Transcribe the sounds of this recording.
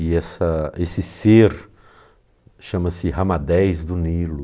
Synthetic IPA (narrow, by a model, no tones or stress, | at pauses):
iɛsɐesɪseɾ | ʃɐ̃mɐsɪɦɐmad̪ɛjzd̪ʊnilʊ